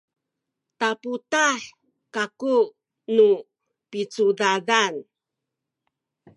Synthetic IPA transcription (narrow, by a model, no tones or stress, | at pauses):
taputaħ | kaku | nu | pit͡sudadan